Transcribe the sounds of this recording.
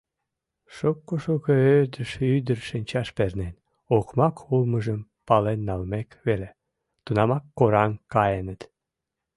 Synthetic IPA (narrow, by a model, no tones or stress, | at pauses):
ʃokːoʃokoød̪əʃyd̪ərʃinʲt͡ɕɑʃpernen | okmɑkʰulməʒəmpɑlenːɑlmekβele | t̪unɑmɑkːoɾɑŋkɑjenət̪